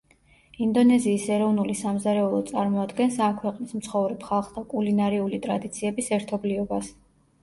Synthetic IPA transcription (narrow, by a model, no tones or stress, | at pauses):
ind̪ɔnɛziːsɛɾɔvnulisamzaɾɛulˠɔt̪sʼaɾmɔad̪ɡɛnsamkʰwɛqʼnismt̪sʰχɔvɾɛpχalˠχd̪akʼulinaɾɛulit̪ʼɾad̪it̪sʰiɛbisɛɾt̪ʰɔbliɔbas